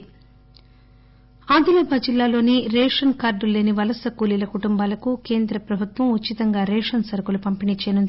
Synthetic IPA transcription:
aːd̪ulɐːbaːd͡ʒilːaːlo̞ːniɾɛːʂɐnkaːɾɖule̞ːniʋɐlɐsɐkuːlilɐkuʈumbaːlɐkuke̞ːnd̪ɾɐpɾɐbʱut̪ʋɐmut͡ʃːit̪ɐŋɡaːɾɛːʂɐnsɐɾɡulupɐmpinit͡ʃeːnund̪i

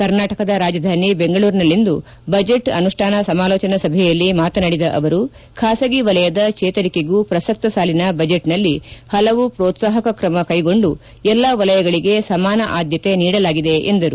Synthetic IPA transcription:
kɐɾnaːʈɐkɐd̪ɐɾaːd͡ʒɐd̪ʱaːnibe̞ŋɡɐɭuːɾnɐlːind̪u | bɐd͡ʒe̞ʈɐ̰nuʂʈʰaːnɐsɐmaːlɔːt͡ʃɐnɐsɐbʱɛjɐlːimaːt̪ɐnɐɽid̪ɐʔɐʋɐɾu | kʰaːsɐɡiʋɐlɐjɐd̪ɐt͡ʃeːt̪ɐɾike̞ɡupɾɐsɐk̚t̪ɐsaːlinɐbɐd͡ʒeʈnɐlːihɐlɐʋupɾɔːt̪saːɦɐkɐkɾɐmɐkɐjɡo̞ɳɖu | ɛlːaːʋɐlɐjɐɡɐɭiɡe̞sɐmaːnɐʔaːd̪jɐt̪e̞niːɽɐlaːɡid̪e̞ʔend̪ɐɾu

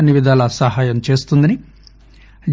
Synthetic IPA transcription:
niʋid̪ʱaːlɐsɐɦaːjɐmt͡ʃe̞ːst̪und̪ɐni | d͡ʒ

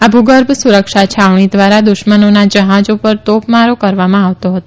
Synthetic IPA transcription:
abʱuɡəɾbʱsuɾəkʃat͡ʃʰaʋɳ̃id̪ʋaɾad̪uʃmənonad͡ʒəɦãd͡ʒopəɾt̪opmaɾokəɾʋamãaʋt̪oɦət̪o

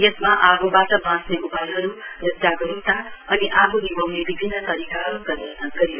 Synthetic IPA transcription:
jəsmaʔaɡobaʈəbʱãsneʔupajiɦʌɾuɾɪd̪ːaɡəɾit̪aəniʔaɡod̪iʋəmnebibʱinːət̪əɾikaɦəɾukəɡʌɾiju

